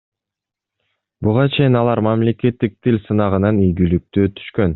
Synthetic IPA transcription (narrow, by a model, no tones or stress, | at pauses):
buʁɑt͡ʃʰe̞jinɑlˠɑɾmamle̞ke̞t̪ːik̚t̪ʰilʲsɯnɑʁɯnɑnijɡylyk̚t̪øːt̪ʰy̥ʃkø̞n